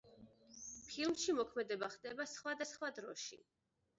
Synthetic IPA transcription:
pʰilˠmʃimɔkʰmɛd̪ɛbaχd̪ɛbasχwad̪asχwad̪ɾɔʃḭ

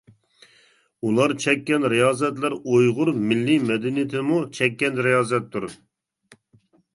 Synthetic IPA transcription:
ulˠɑɾt͡ʃʰɛkʲːɛnɾijɑːzɛt̪læɾojʁʊɾmɪlːimɛd̪ɛnijt̪ʰɪmut͡ʃʰɛkʲːɛnɾijɑːzɛt̪ʰːuɾ

